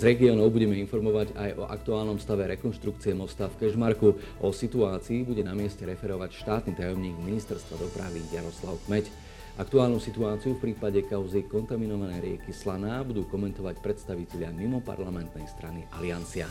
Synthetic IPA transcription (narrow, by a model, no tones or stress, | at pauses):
zɾɛɡiɔːnɔʊbuɟɛmɛinfɔɾmɔʋaɟajʔɔ̰ʔa̰k̚t̪uaːlnɔmst̪aʋɛɾɛkɔnʃt̪ɾukt͡siɛmɔst̪afkɛʒmaɾku | ʔɔsit̪uaːt͡siːbuɟɛnamɪɛscɛɾɛfɛɾɔʋacʃt̪aːt̪nit̪ajɔmɲiːɡminist̪ɛɾst̪ʋad̪ɔpɾa̰ʋizjaɾɔslaʊkmɛc | ʔakt̪uaːlnusit̪uaːt͡siufpɾiːpaɟɛkaʊzikɔnt̪aminɔʋanɛjɾɪɛ̰kislanaːbud̪uːkɔmɛnt̪ɔʋacpɾɛt̪st̪aʋicɛʎɪamimɔpa̰ɾlamɛnt̪nɛjst̪ɾaniʔa̰lɪant͡sia